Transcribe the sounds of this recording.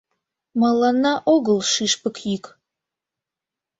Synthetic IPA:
mɑlɑnːɑʔoɣəlˠʃiʃpəkʰjik

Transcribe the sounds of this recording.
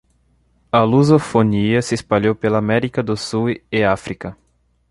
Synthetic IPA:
ɐluzofoniɐsɪespaʎowpelɐːmɛɾikɐd̪ʊsueafɾikɐ

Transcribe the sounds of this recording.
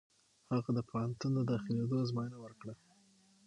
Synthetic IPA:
haɣad̪əpohant̪und̪əd̪ɑxɪled̪ozmɑjənawəɾkɽa

